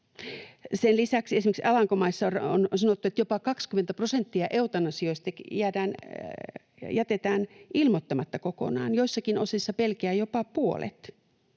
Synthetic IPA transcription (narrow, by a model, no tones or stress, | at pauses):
senlisæksesimeksɑlɑŋkomɑisːɑoronsɑnot̪ːuet̪jopɑkɑkskyment̪æprosent̪ːiɑʔeut̪ɑnɑsioist̪ɑjædæːn | jæt̪et̪æːnʔilmot̪ːɑmɑt̪ːɑkoko̰nɑ̰ːnjoisːɑkinosisːɑpelkeæːjopɑpuo̰lḛt̪